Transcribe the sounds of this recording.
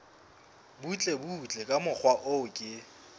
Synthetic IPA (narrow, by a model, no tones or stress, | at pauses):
but͡ɬʼebut͡ɬʼɛkʼamʊk͡xʰwaʔʊkʼɪ